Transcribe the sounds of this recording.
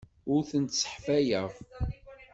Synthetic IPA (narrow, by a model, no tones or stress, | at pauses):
ʊɾθənt̪sə̥ħfæjəʁˤ